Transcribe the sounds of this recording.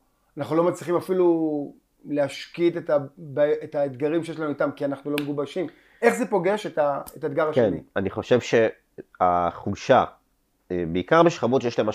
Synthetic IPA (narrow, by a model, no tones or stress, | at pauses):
anaχnulo̞mat͡sliχimafilu | leaʃkitetabaetaed̪ɡaʁimʃejeʃlanuit̪amkianaχnulo̞meɡubaʃim | e̞χze̞po̞ɡe̞ʃetaetad̪ɡaʁaʃkenianiχo̞ʃevʃe | a̰χuʃa | ebeikaʁbeʃχabotʃejelaema